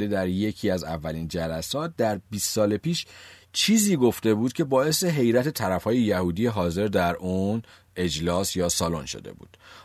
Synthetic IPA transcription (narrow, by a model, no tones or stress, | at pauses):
d̪e̞d̪æɾje̞cʰiːæzævːælind͡ʒælæsɒːt̪̚d̪æɾbiːst̪sɒːlepiːʃt͡ʃʰiːziːɡo̞ft̪e̞buːd̪̥̚kcʰe̞bɒːe̞se̞ɦe̞jɾæt̪ʰe̞t̪ʰæɾæfhɒːje̞jæhuːd̪ijeɦɒːze̞ɾd̪æɾʔuːn | e̞d͡ʒlɒːsjɒːsɒːlonʃo̰d̪e̞̰bṵːd̪̥